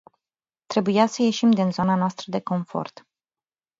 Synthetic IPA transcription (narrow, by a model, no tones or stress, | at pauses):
t̪ɾe̞bujasəje̞ʃimd̪inzo̞nanoast̪ɾəd̪e̞ko̞ɱfo̞̰rt̪